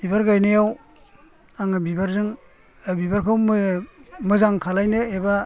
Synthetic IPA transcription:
b̥ibaɾɡajnajaw | aŋabibaɾzɯŋ | bibaɾkʰawm | mɯzaŋkʰalajnɯeba

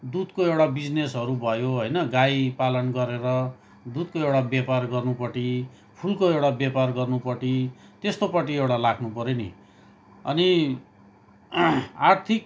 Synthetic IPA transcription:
d̪ud̪koewɽabid͡znesɦʌɾubʱʌjoɦʌjnʌɡajpalʌnɡʌɾeɾʌ | d̪ud̪̚koewɽabjaparɡʌrnupʌʈi | pʰulkoewɽabjaparɡʌrnupʌʈit̪est̪opʌʈ̬iewɽalakʰnupʌɾeni | ʌ̰ni | art̪ʰik

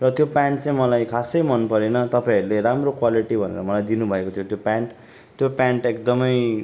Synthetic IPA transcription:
rʌt̪jopãɳʈt͡saĩmʌlajkʰasʌjmʌnpʌɾenʌt̪ʌpaĩʌɾuleɾamrokwaliʈibʱʌnḛɾʌmʌlajd̪inubʱʌekot̪ʰjot̪jopãɳʈ | t̪jopjãɳʈek̚d̪ʌmʌj

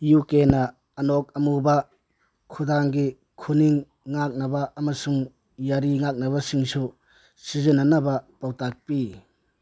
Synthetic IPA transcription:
jukenɐː | nok̚ɐmubɐ | kʰudaŋɡi | kʰuniŋː | ak̚nɐbaʔːmɐsuŋ | jaɾiŋak̚nɐβɐsiŋsu | sizɯnːanɐbɐpawtak̚pi

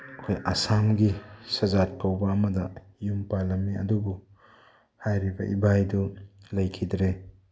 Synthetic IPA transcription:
kʰojʔasamɡisɐzat̚kʰawbɐːmɐdɐ | jumpalɐmːiɐ̰dubu | hajɾibɐʔibajdulɐjkʰidɾe

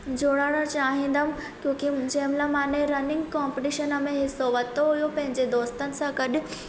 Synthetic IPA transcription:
d͡ʑoːɽaːɽət͡ɕaːɦĩːnd̪əm | kjõːkid͡ʑɐɦɪ̃mlamãːnẽɾɐnɪ̃ŋɡkaːmpɪʈɪʃənəmẽɦɪsoʋɐt̪oɦujopɐ̃ɦɪ̃ɲd͡ʑed̪oːst̪ənɪ̆sãɡɐɗɪ̆

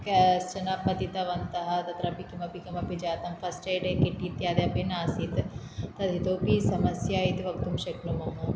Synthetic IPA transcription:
kɛst͡ʃɐnapɐt̪it̪ɐʋɐnt̪ɐɦɐt̪ɐt̪ɾɐpikimɐpikɐmɐpid͡ʒaːt̪ɐmpʰɐsʈejɖekiʈːit̪jaːd̪japenaːsit̪ | t̪ɐt̪it̪oːpisɐmɐsjait̪ʋɐkt̪umʃɐknumɐmɐ

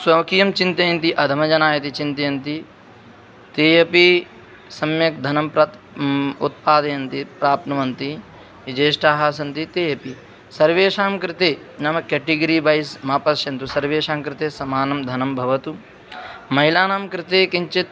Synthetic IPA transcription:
swɐʋɐkijɐmt͡ʃint̪ɐjɐnt̪iʔɐd̪ʱɐmɐd͡ʒɐnaːjɐt̪it͡ʃint̪ɐjɐnt̪i | t̪eːjɐpi | sɐmjɐk̚d̪ʱɐnɐmpɾɐt̪ | ṵt̪̚paːd̪ɐjɐnt̪ipɾaːpnɐʋɐnt̪i | id͡ʒeːʃʈaːɦaːsɐnt̪it̪eːjɐpi | sɐɾʋeːʃaːmkɾɪt̪eː | nɐmɐkeʈiɡɐɾibaːjsmaːpɐʃjɐnt̪usɐɾʋeːʃaːmkɾɪt̪eːsɐmaːnɐmd̪ʱɐnɐmbʱɐʋɐt̪u | mɐɦilaːnaːmkɾɪt̪eːkiɲt͡ʃit̪

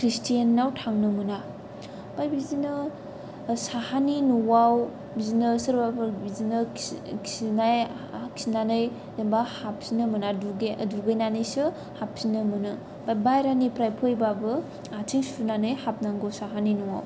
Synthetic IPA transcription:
kʰɾistijanːawtʰaŋnɯmuna | bajbizinɯ | sahaninuwaw | bizinɯsɯɾbapbizinɯksinaj | kʰsinanɯj | dembahap̚sinɯmunaduduɡɯjnanɯjsɯ | hap̚sinɯmɯnɯ | babajɾanipɾajpʰɯjbabɯ | atʰiŋsunanɯjhap̚naŋɡosaɦaninuwa̰w

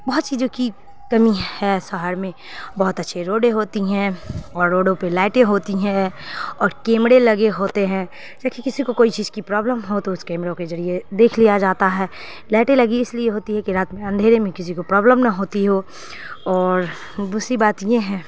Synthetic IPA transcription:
bɐɦʊt̪sid͡ʒoːki | kɐmihɛːsɐɦəɾmẽ | bɐɦʊt̪ɐtːʃʰeɾoːɖeɦoːt̪iɦɛ̃ɔːɾːoːɖõpelaːɪʈẽɦoːt̪iɦɛ̃ɔːɾkẽːmɽelɐɡeɦoːt̪eɦɛ̃ | d͡ʒɐkikɪsikokoːit͡ʃiːz̥kipɾɔːbləmɦot̪oʊskɛ̃ːmɽõked͡ʒɐɾied̪eːkʰlijad͡ʒaːt̪aɦɛː | lɛːʈẽlɐɡiɪsliejeɦoːt̪iɦɛkiɾaːt̪mẽɐ̃nd̪ʱeːɾemẽkɪs̬ikopɾɔːbləmnɐɦoːt̪iɦoː | ɔːɾ | bʊsibaːt̪jeɦɛ̃ː

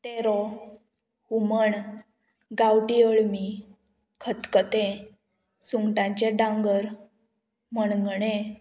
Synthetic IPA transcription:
t̪ɛɾɔ | huməɳ | ɡawʈiəɭmi | kʰət̪kət̪ɛ̃ | suŋɡʈãɲt͡ɕɛɖãŋɡəɾ | məɳŋɡɳẽ

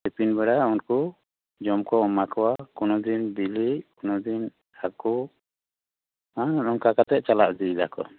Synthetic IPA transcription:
ɛpinbɛɽaunku | d͡ʒɔmkɔɔmakʰawakɔnɔd̪inbiliʔkɔnɔd̪in | aku | annɔnkakat̪ɛʔ̚t͡ʃalaʔd̪id̪a̰kɔ̰

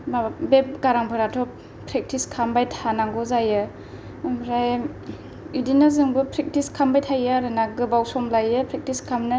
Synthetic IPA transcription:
mabep̚ɡaɾaŋpʰɯɾatʰɔ | pʰɾek̚tiskʰambajtʰanaŋɡɔzajɯ | mɾaj | idinɯzɯŋbɯpʰɾek̚tiskʰambajtʰajɯɾɯnaɡɯbawsɔmlajɯpʰɾek̚tiskʰamnɯ

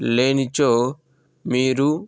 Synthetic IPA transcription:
leːnit͡ʃo | miːɾu

